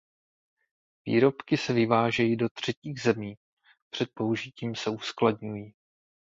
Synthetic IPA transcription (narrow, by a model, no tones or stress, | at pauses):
vḭːɾo̞pkɪsɛvɪvaːʒɛjido̞t̪r̝̥ɛciːɣzɛmiː | pr̥ɛt̪̚po̞uʒɪciːmsɛuskladɲujiː